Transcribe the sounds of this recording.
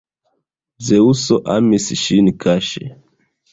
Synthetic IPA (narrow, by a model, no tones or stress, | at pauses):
zeusoʔamisʃinkʰaʃḛ